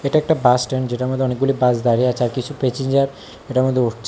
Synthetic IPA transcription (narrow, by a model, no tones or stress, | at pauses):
eʈaek̚ʈabasʈeɳd͡ʑeʈamɔd̪ʱːeɔnik̚ɡulibazd̪aɾiat͡ʃʰaɾkit͡ʃʰupet͡ʃiɲd͡ʒaɾ | eʈamɔd̪ʱːeuʈt͡ʃʰ